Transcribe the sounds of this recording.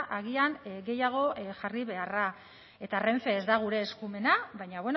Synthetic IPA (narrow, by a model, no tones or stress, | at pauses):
ʔaɣ̞ianɡe̞jaɣ̞o̞ʝariβ̞e̞ara | e̞t̪are̞ɱfe̞ːzd̪aɣ̞uɾe̞ːskume̞naβajɲaβwe̞n